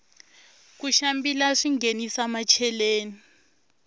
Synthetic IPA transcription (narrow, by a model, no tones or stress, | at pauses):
k̬uʃambilaʂiŋɡenisamat͡ʃʰɛleːni